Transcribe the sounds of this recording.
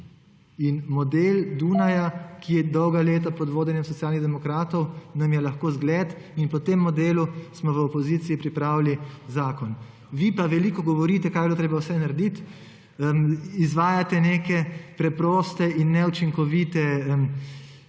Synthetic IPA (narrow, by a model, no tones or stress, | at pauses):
inmɔd̪eld̪unajakijɛd̪ɔwɡaleːt̪apɔd̪ʋoːd̪ɛnjɛmsɔt̪sjalniɣd̪ɛmɔkɾaːt̪ɔwnamjɛlaxkoːzɡlɛːt̪ | inpɔt̪emːɔd̪eːlusmɔʋəɔpɔziːt̪siipɾipɾaːwlizaːkɔn | ʋipaʋɛliːkɔɡɔʋɔɾiːt̪ɛkaːjbloːt̪ɾeːbawsɛnaɾd̪it̪ | əmizʋaːjat̪ɛneːkɛpɾɛpɾɔːst̪ɛinːɛut͡ʃiŋkɔʋit̪ɛəm